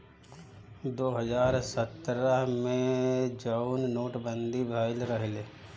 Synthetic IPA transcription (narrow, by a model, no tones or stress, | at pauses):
d̪oːɦəzaːɾsət̪ɾəɦmẽd͡ʒəʊnnoːʈbə̃nd̪ʱibʱaːɪlɾəɦɪle